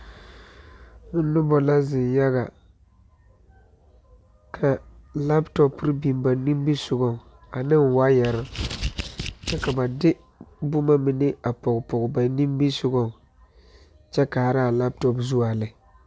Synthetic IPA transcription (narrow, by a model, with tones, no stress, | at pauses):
ŋʊ˦nʊ˦bɔ˨la˦zɪ˨nja˦ɣa˨ | kʰa˨la˦ptɔ˦pɾbi˨mba˨ni˦mbi˦sʊ˦ɡɔ˨ | a˨nɪ˦ŋ˨wa˦ja˨ɾa˦ | t͡ʃɛ˦ka˨ba˨dɪ˦ | bʊ˦ma˦mɪ˨nɪ˦a˨pɔ˨ɡpɔ˨ɡba˨ni˦mbi˦sʊ˦ɡɔ˦ | t͡ʃɛ˦ka˨ɾa˦˨la˦p̚tɔ˨pzu˦a˨lɪ˨